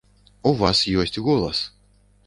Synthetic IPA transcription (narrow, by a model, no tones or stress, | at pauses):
uvasjuɔsʲtʲɣulˠas